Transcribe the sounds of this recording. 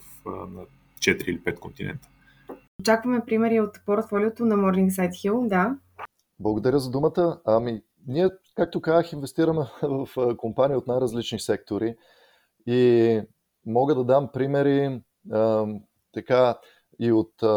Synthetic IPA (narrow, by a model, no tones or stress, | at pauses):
fnɐ̰ | t͡ʃɛt̪ɾiilipɛt̪kont̪inɛ̰nt̪ə̥ | ot͡ʃakvɐmɛpɾimɛɾiot̪poɾt̪fɔliot̪onɐmɔɾniŋksajt̪xilˠd̪a | blˠəɡod̪ɐɾʲəzɐd̪umət̪əami | niɛkak̚t̪okazəxinvɛst̪iɾəmɛvɐfkompaniəot̪najɾɐzlit͡ʃnisɛk̚t̪oɾi | i | mɔɡəd̪ɐd̪ampɾimɛɾi | t̪ɐka | iot̪